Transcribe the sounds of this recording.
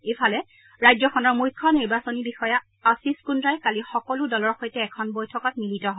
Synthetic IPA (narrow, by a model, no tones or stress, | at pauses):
efʰalɛ | ɹajzɔxʰɔnɔɹmujkʰːɔniɹbasonibixɔja | asiskunɹajkalixɔkɔludɔlɔɹxojtɛːkʰɔnbɔjtʰɔkak̚militɔɦɔ